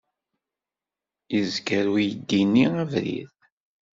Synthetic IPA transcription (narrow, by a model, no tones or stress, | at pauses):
izɡəɾujəd̪ːinːiævɾḭð